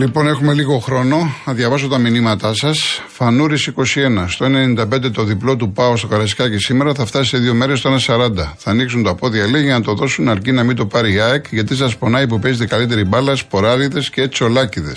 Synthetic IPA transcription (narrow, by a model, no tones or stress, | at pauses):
lipo̞ne̞xume̞liɣo̞xɾo̞no̞nɐðʝɐvɐs̬ot̪ɐminimɐt̪ɐsɐsfɐnuɾisiko̞sie̞nɐst̪o̞e̞nennind̪ɐpend̪e̞t̪o̞ðiplo̞t̪upɐost̪okɐɾɐsi̥kɐcesime̞ɾɐθɐft̪ɐsi̥seðio̞me̞ɾes̬t̪oenɐsɐɾɐnd̪ɐθɐːniksunt̪oɐpo̞ðiɐleʝiʝɐnɐt̪o̞ðo̞sunɐɾcinɐmind̪o̞pɐɾiɐekʝɐt̪̬is̬ɐspo̞nɐjpupe̞zet̪e̞kɐlit̪e̞ɾibɐlɐspo̞ɾɐliðe̞sceet͡so̞lɐciðe̞s